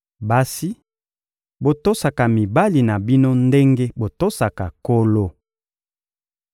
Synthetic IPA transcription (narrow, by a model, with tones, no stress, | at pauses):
ba˦si˦ | bo˨to˦sa˨ka˨mi˨ba˦li˨na˨bi˦no˦nde˦ŋɡe˦bo˨to˦sa˨ka˨ko˦lo˦